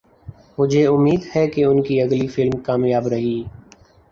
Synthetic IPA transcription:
mʊd͡ʒʱeʊmːiːd̪hɛkeʊnkiɐɡlifɪlmkaːmjaːbɾɐɦiː

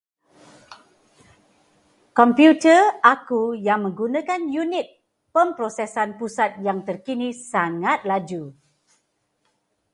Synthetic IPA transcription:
kɔmpjutəakujaŋmə̃ŋɡunãkanjunit̪̚ | pəmpɾosɛsanpusat̪̚jaŋt̪ərkinisaŋat̪̚lad͡ʒu

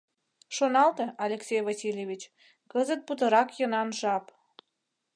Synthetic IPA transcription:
ʃonɑlt̪eɑlʲeksʲejvɑsʲilʲjeβʲit͡ɕ | kəzət̪̚put̪ə̆ɾɑkjənɑnʒɑp

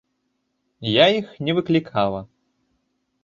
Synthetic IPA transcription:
jaixnʲɛvɨklʲikʰalˠɐ

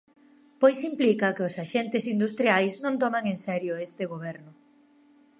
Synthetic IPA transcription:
pojsimplikɐkɪʊsaʃent̪ɪsind̪ust̪ɾjajsnõnt̪ɔmaŋensɛɾjʊest̪ɪɣ̞oβɛɾnʊ

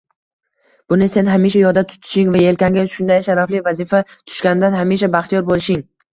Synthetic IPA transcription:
b̥ʊnɪse̞nɦamiʃ̬ajɒɾd̪at̪ʰʊ̥t̪ʰɪ̥ʃɪŋvae̞lkʲʰaŋɡʲaʃʊnd̪ajʃaɾaflɪvazifat̪ʰʊ̥ʃkʲanɪd̪anɦamiʃ̬abaχt̪ʰijɒɾbolɪʃɪŋ

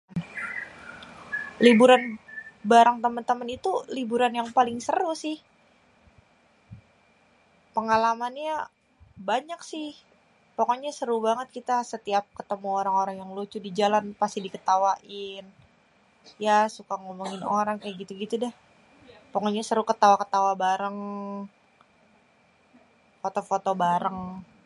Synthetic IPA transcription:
libuɾanbaɾaŋt̪əmənt̪əmənit̪ulibuɾanjaŋpalɪŋsəɾusɪh | pəŋalamanɲa | baɲaksɪh | poŋɔɲasəɾubaŋət̪̚kit̪asət̪iap̚kət̪əmuoɾaŋoɾaŋjaŋlut͡ʃʊdid͡ʒalanpast̪ihdikət̪awaʔɪn | jasukaŋomuŋɪno̰ɾaŋkajaʔɡit̪uɡit̪udɛh | pəŋɔɲasəɾukət̪awakət̪awabaɾəŋ | fot̪ofot̪obaɾəŋ

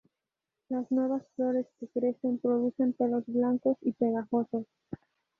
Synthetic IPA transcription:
laznwe̞βasflo̞ɾe̞skekɾe̞se̞mpɾo̞ðuse̞mpelo̞zβlaŋko̞sipe̞ɣaxosos

